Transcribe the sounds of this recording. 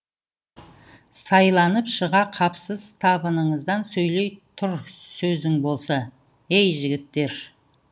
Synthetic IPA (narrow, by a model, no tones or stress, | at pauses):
sɑjlˠɑnəpʃəʁɑqʰɑpsəz̥t̪ʰɑbənəɴəzd̪ɑnsɵjlejt̪ʰʊɾsɵzɪŋbo̞lˠsɑ | ejʒɪɡʲɪt̪ːe̞ɾ